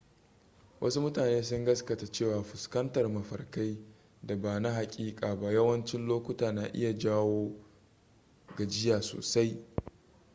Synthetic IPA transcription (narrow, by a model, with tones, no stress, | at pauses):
wʔɐ̰˦su˦mʊ˦taː˨neː˦s̬ʊ˦ŋɡɐ˦skɐ˨ta˨t͡ʃeː˦˨waː˨ɸʊ˨skɐ˦ntɐ˨rmɐ˨ɸɐ˨rka˦j | da˨baː˨na˦ɦa˨kʲʼiː˦kʼaː˨ba˦jɐ˦wɐ˦nt͡ʃɪ˦nloː˦kʷʊ˦taː˨naː˨ʔɪ̰˦ja˨d͡ʒaː˦woː˦ | ɡa˨d͡ʒɪ˦jaː˨so̰ː˨sa˦j